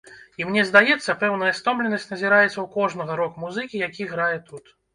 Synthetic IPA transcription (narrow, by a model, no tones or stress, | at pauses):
imnʲɛzd̪ajɛt̪sːɐpɛwnɐjɐst̪ɔmblʲɛnɐsʲtʲnɐzʲiɾajɛt̪sːɐwkɔʐnɐɣɐɾɔkmuzɨkʲijakʲiɣɾajɛt̪ut̪